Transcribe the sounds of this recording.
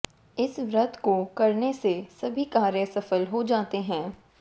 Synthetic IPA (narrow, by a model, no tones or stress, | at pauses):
ɪsʋɾɐt̪kokɐɾnesesɐbʱikaːɾjəsɐfəlɦod͡ʒaːt̪eɦɛ̃ː